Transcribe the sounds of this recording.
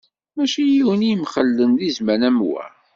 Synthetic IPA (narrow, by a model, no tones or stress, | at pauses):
mæʃijiwənijəmχəlːənðizmænæmwæ̰